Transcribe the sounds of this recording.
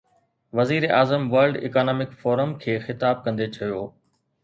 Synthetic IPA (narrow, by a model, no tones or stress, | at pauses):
ʋɐziːɾeʔaːzəmʋɐɾɖɪ̰kaːnɔːmɪkfoːɾəmkʰeːxɪt̪aːb̚kɐ̃nd̪et͡ɕʰɐjoː